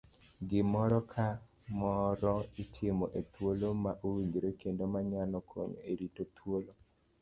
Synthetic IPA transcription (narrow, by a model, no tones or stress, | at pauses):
ɡɪmɔɾɔkʰa | mɔɾɔitʰɪmɔʔet̪wolomaʔowiɲɡɾokendomaɲanɔkʰo̰ɲeɾitot̪ʰwolo